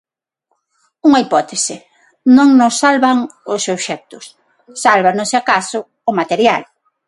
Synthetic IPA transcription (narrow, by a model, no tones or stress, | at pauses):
uŋaipɔt̪esɪ | nõŋnʊsːalβaŋʊsewsʃɛk̚t̪ʊsː | alβanʊseakasʊ | ʊmat̪eɾjal